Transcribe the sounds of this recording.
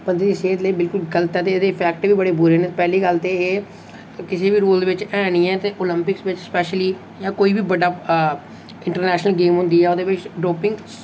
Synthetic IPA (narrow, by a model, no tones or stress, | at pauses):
pənd̪iːd̪iːseːt̪ləiːbɪlkʊlɡələt̪ɛːt̪̬eed̪eːpʰɛːk̚ʈbiːbəɽeːbʊɾeːneːpɛːliːɡəlt̪eːeː | kɪseːbiːɾoːld̪eːʋɪt͡ʃɛːɽ̃iːɛ̃ːt̪eːʔoːləmpɪksʋɪt͡ʃspɛːʃliː | jãːkoːiːbiːbəɖaː | ɪ̃ɳʈəɾnɛːʃnəlɡeːmɦʊ̃nd̪iːɛːʊd̪eːʋɪt͡ʃɖoːpɪ̃ŋɡ